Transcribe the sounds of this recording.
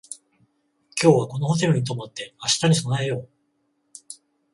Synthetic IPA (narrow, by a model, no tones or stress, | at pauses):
kʲo̞ːβako̞no̞hot̪̬e̞ɾɯ̟ɲ̟it̪̬o̞mot̪ːe̞aɕi̥t̪aɲ̟iso̞naejo̞ː